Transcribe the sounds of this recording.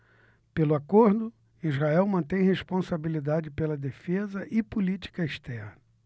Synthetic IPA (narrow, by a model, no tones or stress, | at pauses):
pelʊakoɾd̪ʊ | izɦaɛwmɐ̃nt̪ẽj̃hespõsabilid̪ad͡ʒɪpelɐd̪efezɐʔɪpulit͡ʃi̥kɐeʃt̪ɛɾnɐ